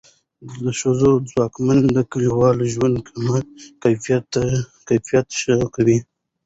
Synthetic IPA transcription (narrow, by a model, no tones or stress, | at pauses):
əʃazod͡zwɑkmand̪əkəliwɑlʒwand̪̚kʰamakajfijtkajfijat̪ʃəkawi